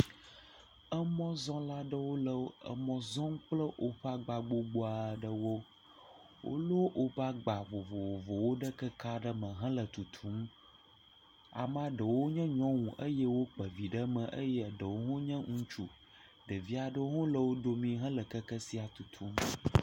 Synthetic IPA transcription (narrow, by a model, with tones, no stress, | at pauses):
ə˦mɔ̃˦zɔ̃˦la˦ɖə˦wo˦lə˨˦ə̰˨mɔ̃˨zɔ̃˦ŋ̩˦k͡plə˦ʔo˦ɸa˦ɡ͡ba˨ɡ͡bo˦ɡ͡bo˦a˨ɖə˦wo˦ | wʔo̰˦lo˦ʔo˦ba˦ɡ͡ba˨vo˨vo˨vo˨vo˨wo˦ɖə˦kə˦ka˦ɖə˦mə̃˨ɦə̃˦lə˨t̪u˨t̪ʰu˦m˦ | a̰˨m˦a˦ɖə˨wo˦ɲɛ̃˦ɲɔ̃˦ŋũ˨ʔə˦jɛ˦wo˦k͡pə˨vi˨ɖə˦mə̃˨ʔə˦jɛ˦˨ɖə˨wo˦ɦõ˦ɲɛ̃˦ŋũ˦t͡ʃu˨ | ɖə˨vi˦a˨ɖə˦wo˦ɦõ˦lə˨wo˦ɖo˨mĩ˦ɦə̃˦lə˨kə˦kə˦si˦a˨t̪u˨t̪ʰu˦m